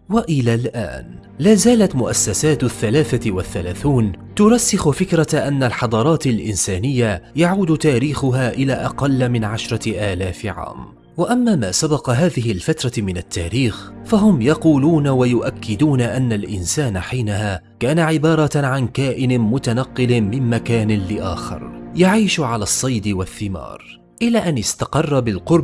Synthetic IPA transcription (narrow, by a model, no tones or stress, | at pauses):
waʔɪlaːlʔa̰ːn | laːzaːlat̪mʊʔasːasaːt̪θːalaːθaɪwaθːalaːθuːn | t̪ʊɾˤɑsːɪxʊfɪkɾˤɑʔanːalħɑd̪ˤɑːɾˤɑːt̪alʔɪnsaːnɪjːajaʕuːd̪t̪aːɾiːxʊɦaːʔɪlaːʔɑqɑlːmɪnʕaʃɾˤɑʔaːlaːfɪʕa̰ːm | waʔamːaːmaːsabɑqɑɦaːðɪɦɪlfat̪ɾˤɑmɪnat̪ːaːɾiːxfaɦʊmjɑquːluːnawajʊʔakʰːɪd̪uːnaʔanːalʔɪ̰nsaːnaħiːnahaːkaːnaʕɪbɑːɾˤɑʕankaːʔɪnɪmʊt̪anɑqːɪlmɪmmakaːnɪlɪʔa̰ːxɪ̰ɾjaʕiːʃʕalaːsˤːɑjd̪ɪwaθːɪmɑ̰ːɾˤ | ʔɪlaːʔanɪst̪ɑqɑrˤːɑbɪlqʊɾˤ